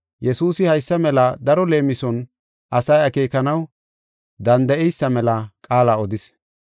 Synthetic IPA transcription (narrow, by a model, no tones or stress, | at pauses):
jɛsuːsɪhɐjsːɐmɛlɐd̪ɐɾɔle̞ːmɪsɔn | ʔɐsɐjɐkeːkɐnɐw | d̪ɐnd̪ɐʔɛjsːɐmɛlɐkʼaːlaːɔd̪ɪs